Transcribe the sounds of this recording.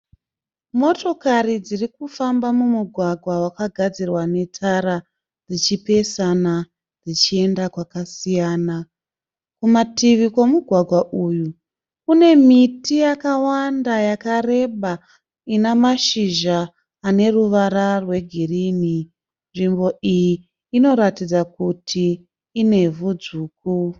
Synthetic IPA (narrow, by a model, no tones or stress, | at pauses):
mo̞to̞karid͡zirikufambamumuɡʱwaɡʱwawakaɡʱad͡zirwane̞tʰaɾa | d͡zit͡ʃipe̞sana | d͡zit͡ʃie̞ndakwakasijaːna | kumatiʋikwo̞muɡʱwaɡʱwaʔuːju | kune̞mitijakawandajakare̞ɓa | inamaʃiʒaː | ne̞ruʋaɾarwe̞ɡʱirini | nʐimbo̞ijiː | no̞ɾatid͡zakutʰiː | ne̞vud͡zuːku